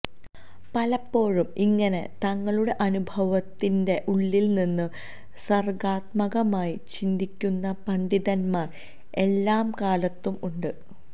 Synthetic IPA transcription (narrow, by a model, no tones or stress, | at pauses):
pɐlɐpːo̞ːɻumiŋːɐne̞t̪ɐŋːɐɭuɽe̞ʔɐnubʱɐʋɐt̪ːinde̞ʔuɭːilninːɨ | sɐrɡaːt̪mɐɣɐmaːjit͡ɕind̪ikʲːunːɐpɐɳɖiðɐnmaːr | e̞lːaːmkaːlɐt̪ːumuɳɖɨ